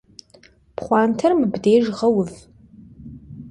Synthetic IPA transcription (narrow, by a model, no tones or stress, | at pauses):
pχʷɑːntʰɐrmɨbdeːʒʁɐwʊv